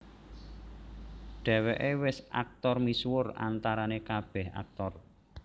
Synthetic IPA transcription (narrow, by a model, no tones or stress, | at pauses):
ɖ̪̥ɛ̤wɛʔewɪsʔa̰k̚t̪ɔrmiswʊra̰nt̪aɾanekab̥ɛ̤ha̰k̚t̪ɔr